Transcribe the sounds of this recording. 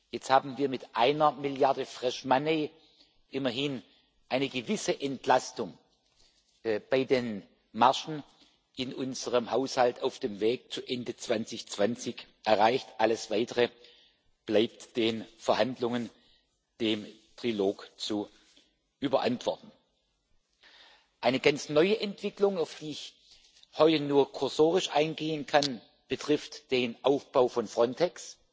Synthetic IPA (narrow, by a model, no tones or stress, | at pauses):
jɛt͡sthaːbm̩viːɐmɪtʔaɪnɐmɪljaɐdəfʁ̥ɛʃmaneː | ʔɪmɐɦɪn | ʔaɪnəɡəvɪsəʔɛntlastʊŋ | b̥aɪdeːn | maɐʃn̩ | ʔɪnʔʊnzəʁəmhaʊshaltaʊfd̥eːmveːk̚t͡suʔɛndət͡sv̥ant͡sɪçt͡sv̥ant͡sɪçʔɛɐʁaɪçtʔaləsv̥aɪtəʁə | b̥laɪp̚td̥eːnfɛɐhandlʊŋən | d̥eːm | tʁ̥iloːkt͡su | ʔyːbɐʔa̰ntv̥ɔɐtn̩ | ʔaɪnəɡant͡snɔʏəʔɛntv̥ɪklʊŋaʊfd̥iːɪç | hɔʏtənuːɐkʰʊɐzoːʁɪʃʔa̰ɪnɡeːənkʰan | b̥ətʁ̥ɪftd̥eːnʔaʊfb̥aʊfɔnfʁ̥ɔntʰɛks